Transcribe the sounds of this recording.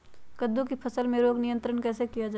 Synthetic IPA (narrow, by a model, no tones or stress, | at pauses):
kəd̪ːũkipʰɐsəlmẽɾoːɡnɪjə̃nt̪ɾənkɛːsekijad͡ʒa